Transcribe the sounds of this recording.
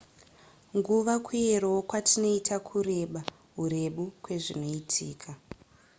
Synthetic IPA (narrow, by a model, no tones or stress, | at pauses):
ŋɡuʋakʰwuerookwatino̞itakʰuɾe̞ɓa | ɦure̞ɓukwe̞ʐino̞itʰiːkʰa